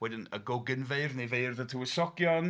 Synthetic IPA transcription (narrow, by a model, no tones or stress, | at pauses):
wɛdɪnəɡɔɡɪnvejrnejvejrðətʰuəsɔkjɔn